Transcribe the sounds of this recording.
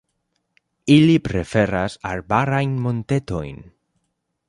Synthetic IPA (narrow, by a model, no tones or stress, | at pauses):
ilipɾefeɾasa̰ɾbaɾajnmõnt̪et̪ojn